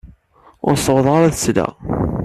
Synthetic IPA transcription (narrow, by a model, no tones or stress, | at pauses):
ʊɾsəwðˤʁɑɾˤæðəsla̰